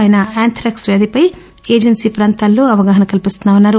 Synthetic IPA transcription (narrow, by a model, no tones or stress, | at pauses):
jnɐaːnt̪ʰɾɐksʋeːd̪ipɐj | eːd͡ʒɐnsiːpɾaːnt̪aːlːoːɐʋɐɡaːɦɐnɐkɐlipist̪unːaːʋɐnːaːɾu